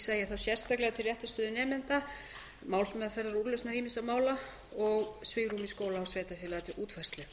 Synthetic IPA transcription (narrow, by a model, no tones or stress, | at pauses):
sajɛθawsjɛr̥st̪aklɛɣat̪ʰɪlrjɛht̪ʏ̥st̪ʏːðʏnɛːmɪnt̪a | mawlsmœðafɛɾðaɾuɾlœsnaɾiːmɪnsawmaːwla | ɔɣsvɪɣɾrumiskoːwlaːwsvɛːt̪afɪːlat̪ɪʔuːt̪fɛrst̪lʏ